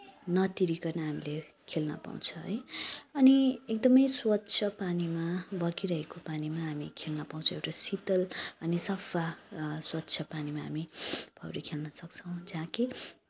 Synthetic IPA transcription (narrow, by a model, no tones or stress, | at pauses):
nʌt̪iɾikʌrnʌɦamile | kʰelnʌ̰pa̰w̰̃t͡sʰʌɦʌ̰jʌniek̚d̪ʌmʌjswʌt̪ːt͡sʰʌpanimabʌkiɾʌɦekopanimaɦamikʰelnʌpaw̃t͡sʰõewʈasit̪ʌlʌnisʌfʰaswʌt̪ːt͡sʰʌpanimaɦa̰mipʰʌwɾikʰelnʌsʌk̚t͡sʰʌ̃w̃d͡zãki